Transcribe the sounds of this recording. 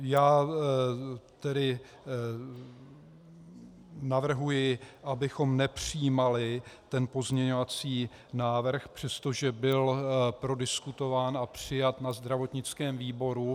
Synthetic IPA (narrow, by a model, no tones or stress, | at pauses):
jaː | t̪ɛdɪ | navr̩ɦujɪʔabɪxo̞mnɛpr̝̥ɪjimalɪt̪ɛnpo̞zɲɛɲo̞vat͡siː | naːvr̩xpr̝̥ɛst̪o̞ʒɛbɪlpɾo̞dɪskut̪o̞vaːnʔapr̝̥ɪjat̪nazd̪ɾavo̞t̪ɲɪt͡skɛːmviːbo̞ɾu